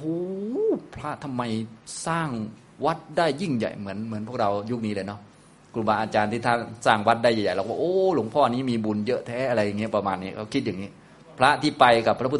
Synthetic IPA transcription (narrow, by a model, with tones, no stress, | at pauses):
huː˧˦pʰɾa˦˥ʔt̪ʰa˧mːa˧jsaː˥˩ŋ | wa˦˥t̪̚daː˥˩jːi˥˩ŋja̰˨˩jmɯ˩˦ənmɯ˨˩˦ənpʰu˥˩ək̚ɾa˧wju˥k̚niː˦˥lɤː˧jnɔ˦˥ | ku˧˩maː˧ʔaː˧t͡ɕaː˧nt̪ʰiː˥˩t̪ʰa˥˩nsaː˥˩ŋwa˦˥t̪̚daː˥˩ja˨˩ja˨˩jlɔ˧˩k̚waː˥˩ʔoː˧˩lo˩˦ŋpʰɔː˥˩˨a˧ni˦˥miː˧bu˧njɤ˦˥t̪ʰɛː˦˥ʔa˧ɾa˧jːa˨˩ŋːi˦˥˩pa˧maː˧nːiː˦˥˩kʰa˧˥˩kʰi˦˥t̪̚jaː˨˩ŋniː˦˥ | pʰɾa˦˥ʔt̪ʰiː˥˩pa˧jka˨˩pʰɾa˥pʰu˧˥t̪